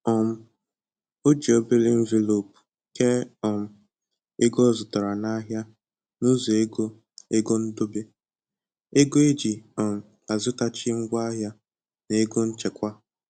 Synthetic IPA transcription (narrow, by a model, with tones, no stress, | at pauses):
ɔ˨m̩˦ | o˦d͡ʒi˨o˦be˦le˦ɱ̩˦ve˨lo˨pu̥˨ | ke˦ɔ˨m̩˨ | e˦ɡo˦˨zʊ˨tɔ˨ɾa˨na˦ɦja˦ | nu˦zo˨e˦ɡo˦ | e˦ɡo˦n̩˦do˦be˦ | e˦ɡo˦e˦d͡ʒi˨ɔ˨m̩˨ | a˨zʊ˦ta˦t͡ʃɪ˦ŋ̩˦ɡʷa˦ɦja˦ | ne˨e˦ɡo˦n̩˦t͡ʃe˨kʷa˦